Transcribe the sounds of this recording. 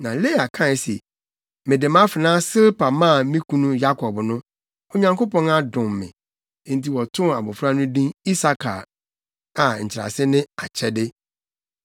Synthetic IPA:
nã˨le˦˨a˨kʰã˦˨sɛ̰˨ | mɪ̃˨dɪ˨mã˦fɪ˨nãː˦sɪ˦lpa˨mã˦˨˦mĩ˦kʰũ˦nũ˦ja˦kʰɔ˨bnʊ̃˦ | o˨ɲã˨ŋko˦pɔ̃˦na˦dʊ̃˨mːɪ̰̃˨˦ | n̩˨ti˨wɔ˨tʰʊ̃˦a˨bʊ˨fɾa˦nʊ̃˦dĩ˦ni˦sa˨kʰa˨ | a˨ɲ̩˨t͡ɕʰɪ˨ɾa̰˨sɪ˦nɪ̃˦a˨t͡ɕʰɛ˨dɪ˦

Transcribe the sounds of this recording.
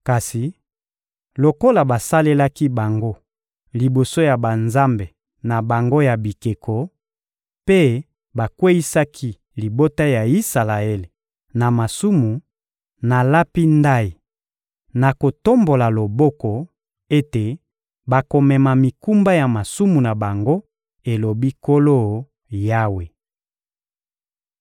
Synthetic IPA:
ka˨si˨ | lo˨ko˦la˨ba˨sa˦le˦la˦ki˦ba˨ŋɡo˦ | li˨bo˨so˦ja˨ba˨nza˦mbe˨ | na˨ba˨ŋɡo˦ja˨bi˨ke˨kʰo˨ | pe˦ | ba˨kwe˦i˦sa˦kʰi˦ | li˨bo˦ta˦ja˨i˦sa˨la˨e˦le˨ | na˨ma˨su˦mu˨ | na˨la˦pi˦nda˦i˨ | na˨ko˨to˦mbo˨la˨lo˨bɔ˦kɔ˨ | e˦te˨ | ba˨ko˨mɛ˨ma˨mi˨ku˦mba˦ja˨ma˨su˦mu˨na˨ba˨ŋɡo˦ | e˨lo˨bi˦ko˦lo˦ | ja˦we˨

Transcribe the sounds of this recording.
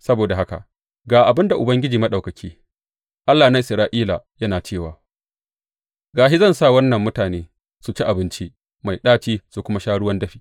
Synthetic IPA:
sɐ˦boː˨da˨ɦa˦ka̰˨ʔ | ɡaː˨ʔa˨bɪ˦nda˨ʔʊ˨bɐ˦ŋɡʲɪ˦d͡ʒiː˨mɐ˦ɗɐ˨kɐ˨kʲʰiː˦ | ʔa˦lːaː˨na˦ʔɪ˨sɾaː˨˦ʔiː˦la̰˨jɐ˦naː˨t͡ʃeː˦˨waː˨ | ɡaː˨ʃi˦zɐ˦˨nsa˦˨wɐ˦nːɐ˨mːʊ˦taː˨neː˦ | su˨t͡ʃi˦ʔa˨bɪ˦nt͡ʃi˦ | ma˨jɗaː˦t͡ʃiː˦su˨kʷʊ˦ma˦ʃaː˦ɽʊ˦wɐ˦ndɐ˦ɸiː˦

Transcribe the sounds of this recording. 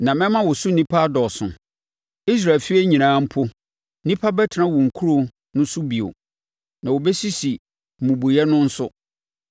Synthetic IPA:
nã˨mɛ̃˦mã˦wʊ˨sʊ˦nĩ˦pʰa˦dɔ˨sʊ̰̃˨ | i˦s̬ɾa˨fi˦e˦ɲĩ˨nãː˦m̩˦pʰʊ˦ | nĩ˦pʰa˦bɛ˦tʰɪ˨nã˦wʊ˨ŋ̩˨kʰu˦ɾo˨ | nʊ̃˦sʊ˦bi˨o̰˨ | nã˨wo˨bɛ˦si˦si˨ | m̩˨mũ˨bu˨jɛ˦nʊ̃˦n̩˦sʊ˦

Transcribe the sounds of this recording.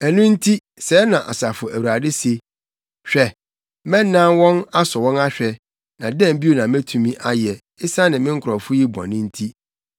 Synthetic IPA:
æ˨nʊ̃˦n̩˦tʰi˦ | sɛː˨˦nã˨ʔa̰˨sa˨fʊ˨ʔæ˨wu˨ɾa˨dɪ˦se˨ | ɕᶣɛ˨ | mɛ̃˦nː˦ã˦nwɔ̃˦na˦sɔ˨wɔ̃˦na˦ɕᶣɛ˨ | nã˨dɛ̃˦˨m˦bi˦o˦˨nã˨mæ̃˦tʰũ˨mĩ˦ʔa˦jɛ˨ | ɪ˦sa˦nɪ̃˨mɪ̃˦ŋ̩˦kʰʊ˨ɾɔ˨fʊ˦ji˦ba̰˨nʊ̃˦n̩˦tʰi˦

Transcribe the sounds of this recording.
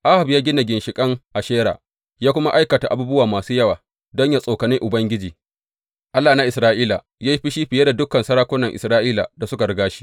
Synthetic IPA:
ʔa˦ha˨bjaː˦ɡʲɪ˦na˨ɡʲɪ˨nʃɪ˨kʼɐ˦ŋʔa˨ʃeː˦ɽa̰ː˨ | jaː˦kʷʊ˦ma˦ʔa˦jkɐ˨ta˨ʔa˨buː˦bʊ˦waː˨maː˨suː˦jɐ˦waː˨ | dɔ˦ɲjaː˦sʼo˨kɐ˨nɪ˦ŋʔʊ˨bɐ˦ŋɡʲɪ˦d͡ʒiː˨ | ʔa˦lːaː˨na˦ʔɪ˨sɾaː˦ʔiː˦la˨ | ja˦ji˦ɸi˦ʃi˦ɸɪ˨je˦da˨dʊ˦kɐ˨nsɐ˦ɽaː˦kʷʊ˦nɐ˨ŋʔɪ˨sɾaː˦ʔiː˦la̰˨da˨sʊ˦ka˨ɽʊ˨˦ɡaː˦ʃi̥˦

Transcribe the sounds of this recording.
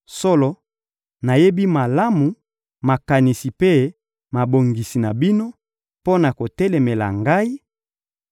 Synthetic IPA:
so˦lɔ˨ | na˨je˦bi˦ma˨la˦mu˨ | ma˨ka˨ni˨si˨pe˦ | ma˨bo˨ŋɡi˨si˨na˨bi˦no˦ | po˦na˨ko˨tɛ˦lɛ˨me˨la̰˨ŋɡa˦i˦

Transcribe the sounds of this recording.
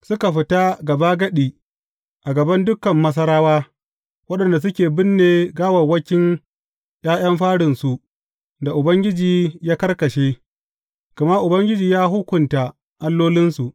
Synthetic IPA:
sʊ˦ka˨ɸɪ˨ta˦ɡɐ˨ba˦ɡɐ˦ɗiː˨ | ʔa˨ɡɐ˨bɐ˦ndʊ˦kɐ˨mːɐ˦s̬ɐ˦ɾaː˦waː˦ | wɐ˦ɗɐ˨nda˨s̬ʊ˦kʲeː˨bɪ˦nːeː˨ɡaː˦wɐ˨wɐ˦kʲɪ˦ŋ | j̰aː˦j̰ɐ˦mɸaː˦ɽɪ˨nsu˨ʔ | da˨ʔʊ˨bɐ˦ŋɡʲɪ˦d͡ʒiː˨jaː˦kɐ˦rkɐ˨ʃeː˦ | ɡ̥ɐ˨ma˦ʔʊ˨bɐ˦ŋɡʲɪ˦d͡ʒiː˨jaː˦ɦʊ˦kʷʊ˨nta˨ | ʔa˦lːoː˦lɪ˦nsu˨ʔ

